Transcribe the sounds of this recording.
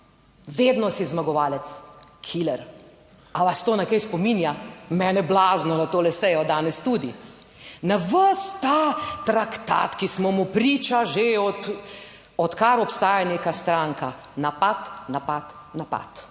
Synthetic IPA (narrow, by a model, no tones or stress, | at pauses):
ʋeːd̪nɔsizmaɡɔʋaːlɛt̪skʰilɛɾ | aʋast̪oːnɛkɛjspɔminjamɛːnɛblaznɔnat̪oːlɛsɛjɔd̪aːnɛst̪uːd̪i | naʋəst̪at̪ɾakt̪a̰t̪kismɔmupɾiːt͡ʃaʒeɔt̪ | ɔt̪kaɾɔpst̪aːjaneːkast̪ɾaŋka | napat̪napat̪ | napa̰t̪